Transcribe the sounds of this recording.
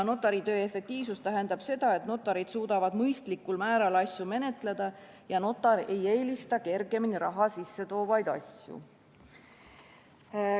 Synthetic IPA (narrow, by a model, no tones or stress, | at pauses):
no̞t̪ːˑɑɾit̪ø̞ːe̞fe̞k̚t̪iːvsust̪æɦe̞nd̪ɑb̥se̞d̪̥ɑe̞t̪no̞t̪ːˑɑɾid̪̥suːd̪̥ɑvɑd̪mɤjst̪likːulmæːɾɑlɑsjume̞ne̞t̪ˑle̞d̪̥ɑ | jɑno̞t̪ːˑɑɾe̞je̞ːlist̪ɑke̞rɡe̞miniɾɑɦɑsisːe̞t̪o̞ːvɑjd̪̥ɑ̰sʲjṵ